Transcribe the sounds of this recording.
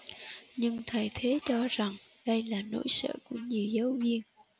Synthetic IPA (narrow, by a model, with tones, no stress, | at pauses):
ɲɨ˧ŋt̪ʰə˨˩jt̪ʰe˨˦t͡ɕɔ˧za˨˩ŋɗə˧jlaː˨˩no̰˧˥˨jsə̰ː˧˨ku˧˩əɲi˨˩əwzə˨˦wvi˧ən